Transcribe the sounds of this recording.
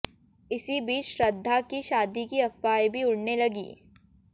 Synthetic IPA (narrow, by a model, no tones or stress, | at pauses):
ɪsibiːt͡ʃʃɾɐd̪ʱːakiʃaːd̪ikiɐfaːjbʱiʊɽnelɐɡḭː